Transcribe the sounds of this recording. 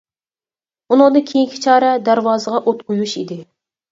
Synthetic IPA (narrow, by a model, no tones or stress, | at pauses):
unɨŋd̪ɨŋkʲʰejiŋkʲʰi̥t͡ʃʰɑːɾɛd̪æɾwɑːzəʁɑʔot̪̚qʰojuʃḭd̪ɪ